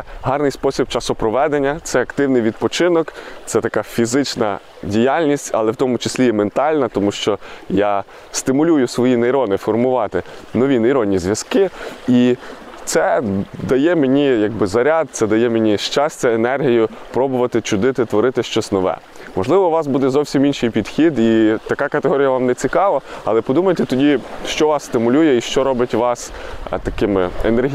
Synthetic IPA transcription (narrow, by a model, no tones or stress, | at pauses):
ɦɑrnɪjspɔsʲib̚t͡ʃɑsʊpɾɔʋɛd̪enʲːɐt̪sɛɐkt̪ɪwnɪjʋʲid̪̚pɔt͡ʃɪnɔkt̪sɛt̪ɐkɑfʲizɪt͡ʃnɐ̰ | dʲijalʲnʲisʲtʲɐ̰lˠɛwt̪ɔmʊt͡ʃɪ̥sʲlʲijɛment̪ɑlʲnɐt̪ɔmuʃt͡ʃɔja | st̪ɪmʊlʲujʊsʋɔjinejɾɔnɪfɔrmʊʋɑt̪ɪnɔʋʲinɐjɾɔnʲːizʲʋʲjɐskɪi | t̪sɛd̪ɐjɛmenʲijɐɡ̚bɪzɐɾʲad̪̚sɛd̪ɐjɛmenʲiʃt͡ʃɑsʲt͡sʲɐenɛrɦijʊpɾɔbʊʋɐt̪ɪt͡ʃʊd̪ɪt̪ɪt̪ʋɔɾɪt̪ɪʃt͡ʃɔsʲnɔʋɛ̰ | mɔʒlˠɪʋɔʋɑsbud̪ɛzɔwsʲiminʃɪjpʲid̪̥xʲid̪it̪ɐkɑkɐt̪eɦɔɾʲijɐʋɑmnɛt͡sʲikɑʋɐɐ̰lˠɛpɔd̪umɐjet̪ɛt̪ɔdʲiʃt͡ʃɔʋɑsst̪ɪmʊlʲujɛiʃt͡ʃɔɾɔbɪtʲʋɑst̪ɐkɪmɪenerɦ